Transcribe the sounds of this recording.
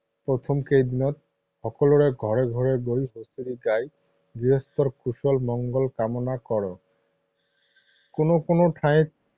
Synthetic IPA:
pɹot̪ʰɔmkejd̪inɔt̪̚ | xɔkɔlɔɹeɡʱɔɹeɡʱɔɹeɡojɦosuɾiɡaj | ɡɹiɦɔst̪ɔɹkusɔlmɔŋɡɔlkamɔnakɔɹɔ | konokonoʈʰajt̚

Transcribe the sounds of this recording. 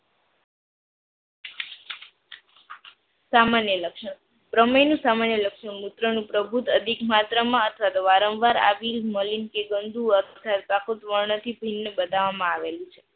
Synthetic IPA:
samanjələkʃəɳ | pɾəməjnũsamanjələkʃəɳmut̪ɾənũpɾəbʱut̪əd̪ʱikmat̪ɾəmãət̪ʰʋat̪oʋaɾə̃mʋaɾa̰ʋilməlinkeɡənd̪uət̪ʰət̪ʰat̪pakot̪ʋəɭɳət̪ʰibʱinːəbəd̪ʱaʋamãaʋelũt͡ʃʰe

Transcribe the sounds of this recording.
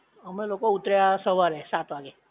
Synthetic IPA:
əmelokout̪ɾjasəʋaɾɛsat̪ʰʋaɡe

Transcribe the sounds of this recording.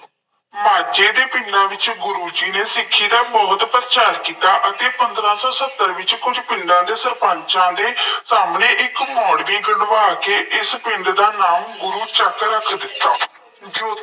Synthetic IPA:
maːd͡ʒeːd̪eːpɪ̃ɳɖãːʋɪt͡ʃɡʊɾuːd͡ʒiːneːsɪkʰːiːd̪aːbɔːt̪pəɾt͡ʃaːɾkiːt̪ːaːʔət̪eːpənd̪ɾãːsɔːsət̪ːəɾʋɪt͡ʃkʊd͡ʒpɪɳɖãːd̪eːsəɾpãːɲt͡ʃãːd̪eːsaːmnẽːʔɪkmɔːɽʋiːɡəɽʋaːkeːʔɪspɪɳɖd̪aːnaːmɡʊɾuːt͡ʃəkɾəkʰd̪ɪt̪ːaː | d͡ʒo

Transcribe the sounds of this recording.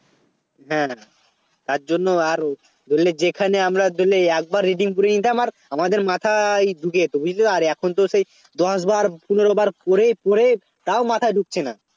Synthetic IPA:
ɦɛ̃ | t̪aɾd͡ʑonːoaɾ | d̪olːed͡ʑekʰaneamɾad̪olːeɛk̚baɾːiɖiŋp̬uɾenit̪amaɾ | amad̪eɾmat̪ʰajɖʱuket̪obud͡ʑileaɾɛkʰont̪oʃej | d̪ɔʃbaɾpuneɾobaɾpoɾepoɾe | t̪aomat̪ʰajɖʱuk̚t͡ɕʰena

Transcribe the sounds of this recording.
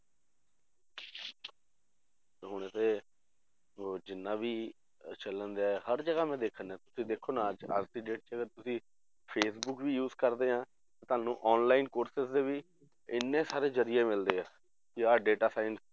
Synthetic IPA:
ɦʊɳ̃et̪eː | d͡ʒɪnːãːʋiː | t͡ʃələnd̪aːɛɦəɾd͡ʒəɡaːmɛ̃ːd̪eːkʰːənɛ̃ːt̪ʊ̥sĩːd̪eːkʰːoːnaːd͡ʒa̰sd̪iːɖeːʈ̚t͡ʃʰɛːəɡəɾt̪ʊsĩː | pʰeːsbʊkʋiːjuːzkəɾd̪eːɦãː | t̪eːt̪ʊaːnũːʔɔːnlaːiːnkoːɾsɪsd̪eːʋiː | ɪnːẽːsaːɾeːd͡ʒəɾɪjeːmɪld̪eːaː | kɪaːɖeːʈaːsaːɪns

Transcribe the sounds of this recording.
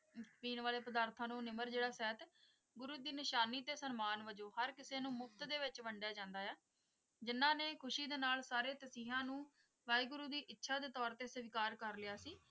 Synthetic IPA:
piːnʋaːleːpəd̪aːɾt̪ʰãːnũːnɪməɾd͡ʒeːɽaːsɛːt̪ | ɡʊɾuːd̪iːnɪʃaːniːt̪eːsənmaːnʋəd͡ʒoːhəɾkɪseːnũːmʊkʰt̪d̪eːʋɪt͡ʃʋəɳɖjaːd͡ʒãːnd̪aːɛː | d͡ʒɪnːãːneːkʰʊʃiːd̪eːnaːlsaːɾeːt̪əsiːɦãːnũː | ʋaːiːɡʊɾuːd̪iːʔɪtːʃʰaːd̪eːt̪ɔːɾt̪eːsəʋɪkaːɾkəɾlɪjaːsiː

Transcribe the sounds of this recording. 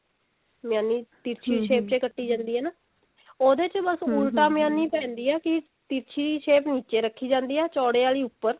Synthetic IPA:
mɪjaːnːiːt̪iːɾt͡ʃʰiːiʃeːp̚t͡ʃeːkəʈːiːd͡ʒãːnd̪iːɛːnaː | oːd̪eːt͡ʃbəsʊlʈaːmɪjaːnːiːpɛ̃ːnd̪iːɛːkɪ | t̪iːɾt͡ʃʰiːʃeːpniːt͡ʃeːɾəkʰːiːd͡ʒãːnd̪iːɛːt͡ʃɔːɽeːaːliːʊpːəɾ

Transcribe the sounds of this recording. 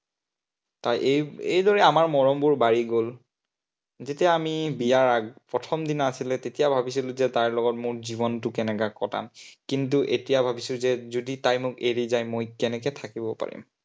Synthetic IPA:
tajʔejejdɔɹɛamaɹmɔɹɔmbʊɹbaɹiɡol | zetijaamibijaɹaɡpɹɔtʰɔmdinasilɛtetijabʱabisilʊzɛtaɹlɔɡɔtmʊɹziβɔntʊkɛnɛkakɔta̰mkintuʔetijabʱabisʊzɛzoditajmʊkeɹizajmojkɛnɛkɛtʰakibɔpa̰ɹḭm

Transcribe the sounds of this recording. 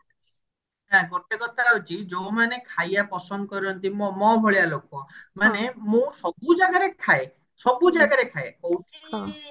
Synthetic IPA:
ɦɛ̃ɡoʈekɔt̪aɦut͡ʃʰid͡ʒowmanekʰajapɔsɔnd̪kɔɾɔnt̪imɔmɔbʱɔɭialokɔmanemũsɔbud͡ʒaɡaɾekʰae | sɔbud͡ʒaɡaɾekʰaeowʈʰikʰɔ

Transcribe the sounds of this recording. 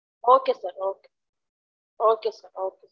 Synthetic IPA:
okesaɾoke̥ | okesaɾokes

